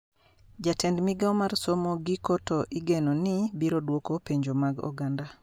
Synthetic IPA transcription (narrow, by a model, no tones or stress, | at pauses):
d͡ʒatʰɛndmiɡaɔmarsɔmɔɡikɔtɔʔiɡenɔnɪbiɾodwokopeɲd͡ʒomaɡɔ̰ɡanda